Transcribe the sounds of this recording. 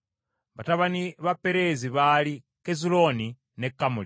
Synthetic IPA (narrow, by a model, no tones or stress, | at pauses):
βataβaniβapɛɾeziβali | kezuloni | nɛkːamuli